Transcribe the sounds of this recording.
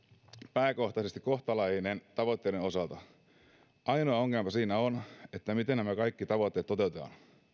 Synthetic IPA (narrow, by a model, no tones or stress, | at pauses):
pæːko̞ht̪ɑsest̪iko̞ht̪ɑlɑjinent̪ɑʋot̪ːeiɾeno̞sɑlt̪ɑ | ʔɑjnoɑoŋːempɑsiːnæone̞t̪ːæmit̪enæmækɑjkːit̪ɑʋot̪ːe̞ːt̪ːo̞t̪e̞ut̪et̪ɑ̰n